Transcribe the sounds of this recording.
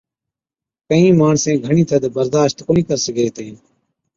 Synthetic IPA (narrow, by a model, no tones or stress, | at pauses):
kəĩːmaːɳsẽːɡʱəɳĩːt̪ʰəd̪bəɾd̪aːʃt̪koːnĩːkəɾsəɡeːt̪eːn